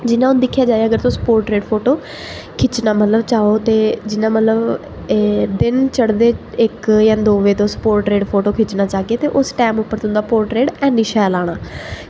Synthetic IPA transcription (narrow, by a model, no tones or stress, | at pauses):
d͡ʒɪnãːʊnd̪ɪkʰːjaːd͡ʒaːeaːəɡəɾt̪õsə̥poːɾʈɾeːɖpʰoːʈoː | kʰɪt͡ʃnaːmət̪ləbt͡ʃaːoːt̪eːd͡ʒɪnãːmət̪ləb | d̪ɪnt͡ʃəɽd̪eː | ɪkjãːd̪oːʋeːt̪õːspoːɾʈɾeːɖpʰoːʈoːkʰɪt͡ʃnaːt͡ʃaːɡeːt̪eːʔʊsʈɛːmʊpːəɾt̪ʊ̃nd̪aːpoːɾʈɾeːɖɛ̃ːniːʃɛːlaːɽ̃aː